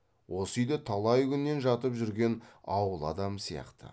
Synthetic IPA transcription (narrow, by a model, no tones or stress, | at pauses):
wʔo̞səjd̪ət̪ʰɑlˠɑjɡʲʏnːe̞nʒɑt̪əpʒʏɾɡʲe̞nɑwəlˠɑ̰d̪ɑmsijɑ̰qt̪ə̰